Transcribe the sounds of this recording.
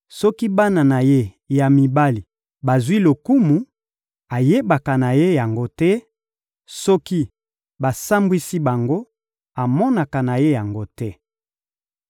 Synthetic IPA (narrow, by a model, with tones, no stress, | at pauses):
sɔ˦ki˦ba˦na˨na˨je˦ | ja˨mi˨ba˦li˨ | ba˨zwi˦lo˨ku˦mu˨ | a˨je˦ba˨ka˨na˨je˦ja˨ŋɡo˦tɛ˦ | sɔ˦ki˦ | ba˨sa˦mbwi˦si˦ba˨ŋɡo˦ | a˨mɔ˦na˨ka˨na˨je˦ja˨ŋɡo˦tɛ˦